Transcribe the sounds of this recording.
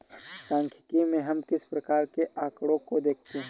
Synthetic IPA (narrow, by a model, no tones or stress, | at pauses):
sãːŋkʰɪ̥kimẽɦɐmkɪspɾəkaːɾkeʔaːkɽõkod̪eːk̚ʰt̪eɦɛ̃